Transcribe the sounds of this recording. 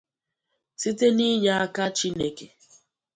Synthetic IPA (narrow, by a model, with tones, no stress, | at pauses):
si˦te˦ni˦ɲa˨a˦ka˦t͡ʃi˦ne˨ke˨